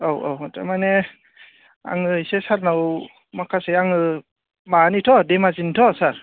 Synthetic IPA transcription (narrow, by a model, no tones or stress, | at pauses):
awa̰wta̰mane | a̰ŋɯisesaɾnaw | makʰaseaŋɯ | manitʰɔdemazinitʰɔsaɾ